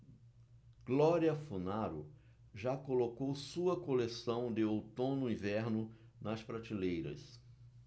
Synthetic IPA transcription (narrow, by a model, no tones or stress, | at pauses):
ɡ̥lɔɾiɐfunaɾʊ̰ | ʒakolokowsuɐkolesɐ̃w̃d̪ɪowt̪õnʊĩvɛɾnʊ | nɐspɾat͡ʃilejɾɐ̰s